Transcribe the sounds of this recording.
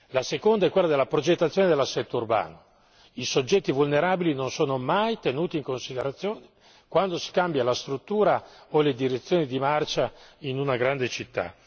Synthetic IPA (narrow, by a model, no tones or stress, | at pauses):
lasekond̪aɛkːwelːad̪elːapɾod͡ʒet̪ːat̪sːjoːned̪elːasːɛt̪ːourba̰ːno | isod͡ʒːɛt̪ːivulneɾaːbilinonsoːnomajt̪enuːt̪iːŋkonsid̪eɾat̪sːjoːne | kwand̪osi̥kambjalast̪ɾut̪ːuːɾaoled̪iɾet̪sːjoːnid̪imart͡ʃainunaɡɾand̪et͡ʃit̪ːa̰